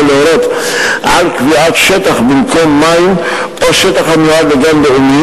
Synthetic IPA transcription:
leoɾot̪ | ʔalkviat̪ʃet̪aχbimkʰomːaim | pʼaʃet̪aχamuad̪leɡambeumi

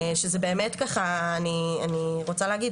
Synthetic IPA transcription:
ʃezebe̞ːmetkaχaːnianiʁot͡saleaɡid

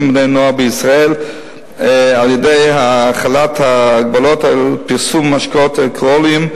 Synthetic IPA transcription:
mbdejnoabəisʁael | aljedejhaːχalat̪haːɡ̚balotalpiʁsumːaʃkot̪elkolim

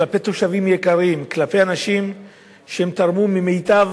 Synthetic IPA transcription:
lape̞t̪o̞ʃavimjekaʁimklape̞janaʃim | ʃehemt̪aʁmumimejt̪av

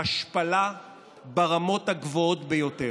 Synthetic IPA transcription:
aʃpala | beʁamo̞thaɡvoo̞tbejo̞te

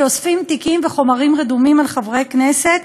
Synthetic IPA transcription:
osfimt̪ikimveχo̞maʁimʁed̪umimalχavʁekneset̪

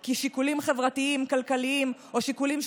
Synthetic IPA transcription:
kiʃikulimχevʁat̪iimkalkaliimoʃikulimʃ

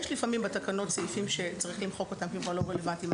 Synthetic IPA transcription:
jɛʃlifamimbatakano̞tt͡seifimʃe̞t͡saʁiχlimχo̞ko̞t̪amkikvaʁloʁelevant̪im

